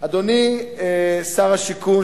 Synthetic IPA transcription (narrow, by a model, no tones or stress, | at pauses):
ad̪oni | saʁaʃikun